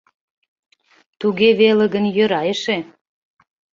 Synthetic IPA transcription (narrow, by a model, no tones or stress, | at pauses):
t̪uɣeβelə̆ɣə̆njøɾɑjəʃe